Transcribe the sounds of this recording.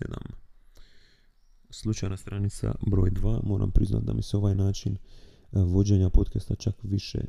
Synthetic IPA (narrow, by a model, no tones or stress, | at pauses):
ḛd̪a̰m | slˠut͡ʃajnast̪ɾanit̪sa̰bɾo̞ːjd̪ʋaːmo̞ːɾa̰mpɾizna̰t̪̚d̪amiseo̞ʋajnaːt͡ʃin | ʋo̞d͡ʑe̞ɲapot̪kest̪at͡ʃakʋiʃḛ